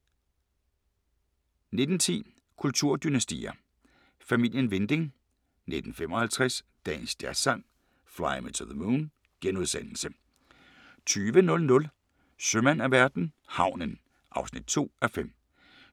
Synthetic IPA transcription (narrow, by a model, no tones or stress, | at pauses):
ne̝d̥n̩t͡sʰḭː | kʰult͡sʰuɐ̰d̥ynæsd̥ḭːɐ | fæmil̰jənʋe̝nd̥e̝ŋ | ne̝d̥n̩fem̰ɒ̽hælt͡sʰʁasd̥ɛ̰ːnsd̥æɐsɑ̈ŋ̰ | flɑ̈ɪmit͡sʰuðəmuːn | ɡ̥enuðˠsen̰l̩sə | t͡sʰyːʋənɔ̽lnɔ̽l | sømænæʋæɐd̥n̩hɑ̈ʊ̰nən | ʔɑ̈ʊsnid̥̚t͡sʰo̝̰ːæfem̰